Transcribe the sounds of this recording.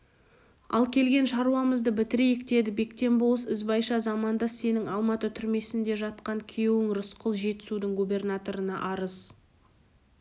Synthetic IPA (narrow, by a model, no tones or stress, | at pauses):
ɑ̰lˠkʲʰe̞lɡʲe̞nʃɑɾuɑməzd̪əbɪt̪ɪɾejɪkt̪e̞d̪ɪbe̞kt̪e̞mboəsɪzbɑjʃɑzɑmɑnd̪ɑse̞nɪŋɑlˠmɑt̪ət̪ʰʏɾme̞sɪnd̪e̞ʒɑt̪qɑŋkʲʰejewɪŋrʊsqəlˠʒe̞t̪ɪ̥sud̪ɪŋɡubʲe̞rnat̪o̞ɾənɑ̰ʔɑɾəz